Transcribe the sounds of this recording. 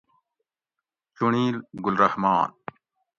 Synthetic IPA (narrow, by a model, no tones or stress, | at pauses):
t͡ɕuɳiːlɡʊlɾɐhmɑːn